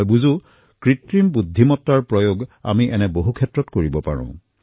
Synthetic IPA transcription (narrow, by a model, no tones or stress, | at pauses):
jbuzʊ̃ | kɹitɹimbud̪ʱːimɔtːaɹpɹɔjoɡa̰miʔɛnɛboɦukʰɛtɹɔtkoɹibɔpa̰ɹɔ̰̃ʊ̃